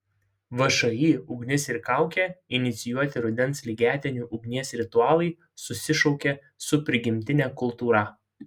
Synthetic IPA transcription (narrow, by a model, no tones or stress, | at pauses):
ʋɐʃɐjiːʊɡnʲɪsɪɾkɑˑʊkʲeɪnʲɪt̪sʲɪjuɔt̪ʲɪɾʊd̪ʲɛnˑslʲɪɡʲæːt̪ʲɛnʲuːʔʊɡnʲiɛsɾʲɪt̪ʊɑːlˠɐɪ | sʊsʲɪʃɔʊkʲe | sʊpʲɾʲɪɡʲɪmʲt̪ʲɪnʲɛːkʊlˠˑt̪uːɾɐ